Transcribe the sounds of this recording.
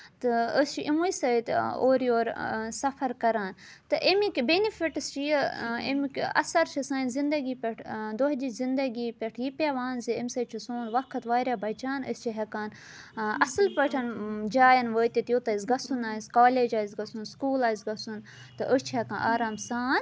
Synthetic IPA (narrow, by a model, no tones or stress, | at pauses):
t̪ɨəst͡ʃʰiʔimujsɐjt̪o̰ːɾjoːɾsɐfɐɾkɐɾaːn | t̪ɨʔemikʲbenifiʈɨst͡ʃijḛmikɐ̰sɐɾt͡ʃʰisaːnzind̪ɐɡiːpʲeʈʰd̪oɦd͡ʒizind̪ɐɡiːpʲeʈʰjipʲeʋaːnziemsɐt͡ʃʰisoːnʋɐkʰɐt̪ʋaːɾʲjaːbʱɐt͡ʃaːnə̰st͡ʃʰiɦɐkaːn | ɐsɐlpəʈʰɐnd͡ʒaːjɐnʋəːt̪it̪jot̪ɐizɡɐsunaːjiskaːleːd͡ʒaːjizɡɐsunskuːlaːjzɡɐsun | t̪ɨʔəst͡ʃʰiɦɛkãːnʔaːɾaːmsaːn